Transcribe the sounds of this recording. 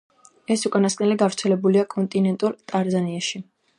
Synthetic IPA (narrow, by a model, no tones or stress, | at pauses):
ɛsukʼanaskʼnɛliɡavɾt̪sʰɛlɛbuliakʼɔnt̪ʼinɛnt̪ʼuɾt̪ʼaɾzaniaʃi